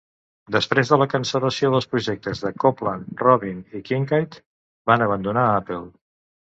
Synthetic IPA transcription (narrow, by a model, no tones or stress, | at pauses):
d̪əspɾezðələkənsələsioðəlˠspɾuʒek̚t̪əzðəkoplənrɔβinikiŋkajt̪ | banəβ̞ənd̪unaapelˠ